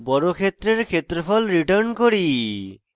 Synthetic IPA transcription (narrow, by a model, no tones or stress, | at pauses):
bɔɾokʰet̪ːɾeɾkʰet̪ɾopʰɔlɾiʈaɾnkoɾi